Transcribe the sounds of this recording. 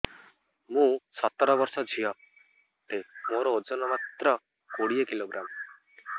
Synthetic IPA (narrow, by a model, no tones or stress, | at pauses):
mũsɔt̪ɔɾɔbɔɾsɔd͡ʒʱiɔ | t̪emoɾɔod͡ʒɔnɔmat̪ɾɔ | koɽiekiloɡɾam